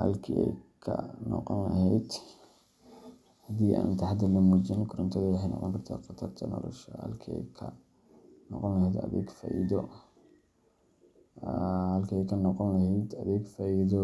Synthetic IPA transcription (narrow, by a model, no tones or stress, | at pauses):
hɐ̰lkʰḭːɛjkʰɐ̰nɔ̰qɔnlɐ̰ɦɛjd̪ | hɐd̪iːʔa̰ːnt̪ʰɐħd̪ɐlɐmuːt͡ʃinkʰʊɾɐnt̪ʰɐðɐwɑħɑjnɑ̰qɔŋkʰɐrt̪ʰa̰ːqɑt̪ʰɐrt̪ʰɐnɔ̰lɔ̰ʃɔhɐ̰lkʰiɛ̰jkʰɐ | nɔqɔnlɐhɛjd̪ɐðɛ̰ːɡfaːʔiðɔ | hɐlkʰiːɛjkʰɐnɔqɔnlɐhɛjd̪ɐðɛːɡfaːʔiðɔ